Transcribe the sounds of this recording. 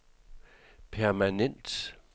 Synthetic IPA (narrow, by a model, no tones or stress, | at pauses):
pʰæɐmænen̰d̥